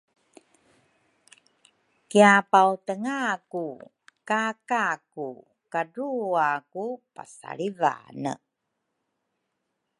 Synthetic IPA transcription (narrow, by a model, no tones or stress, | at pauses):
kiapawtəŋaku | kakaku | kaɾuakupa̰sa̰ɭiva̰nə̰